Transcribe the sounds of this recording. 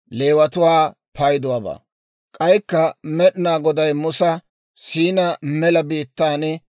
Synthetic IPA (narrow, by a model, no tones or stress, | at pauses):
le̞ːwɐt̪ʊwaː | pɐjd̪ʊwaːba̰ː | kʼɐjkːɐmɛɗɪnaːɡɔd̪ɐjmʊsɐ | siːnɐmɛlɐbiːt̪ːaːnɛ